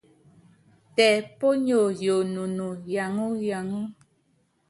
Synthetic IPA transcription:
tɛ˨po˦ɲo˨jo˨nu˨nu˨ja˨ŋu˦ja˨ŋu˦

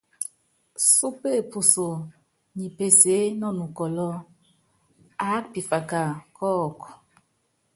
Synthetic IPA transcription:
su˦pe˦˨pu˨so˨ | ɲi˨pe˨se˨˦nɔ˦˨nu˨kɔ˨lɔ˦ | a˨˦k̚pi˨fa˨ka˨kʰɔː˦˨kɔ˨

